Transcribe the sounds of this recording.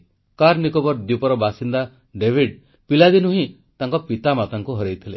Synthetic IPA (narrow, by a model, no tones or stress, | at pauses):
kaɾnikɔbɔɾd̪jupɔɾɔbasind̪a | ɖebʱiɖ | pilad̪inuɦĩ | t̪aŋkɔpit̪amat̪aŋkuɦɔɾejt̪ʰile